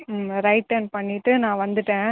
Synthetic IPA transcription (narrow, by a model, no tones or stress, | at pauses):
ɾɐɪʈːɐnpɐɳːɪʈːɯnãːʋɐnd̪ɯʈːẽː